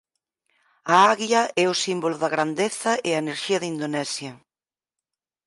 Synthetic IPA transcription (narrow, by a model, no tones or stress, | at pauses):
aɐaɣjɐɛʊsimbolʊðɐɣɾand̪eθɐʔɪɐeneɾʃiɐðind̪onɛsjɐ